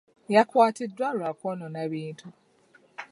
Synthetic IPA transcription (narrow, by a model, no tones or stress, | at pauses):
jakwaːtʰɪdwalakɔnɔnaβiːntʰu